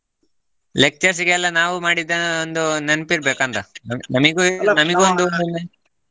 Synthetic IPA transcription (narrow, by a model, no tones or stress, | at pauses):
lek̚t͡ʃɐɾs̬iɡelːɐnaːʋumaːɽid̪ːɐond̪unenpiɾbeːkɐnt̪ɐnɐnɐmiɡunɐmiɡeond̪und̪unːe